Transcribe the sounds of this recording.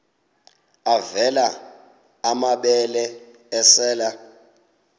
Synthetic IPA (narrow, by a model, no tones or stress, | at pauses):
avɛlaː | maɓɛlɛ | ɛsɛːla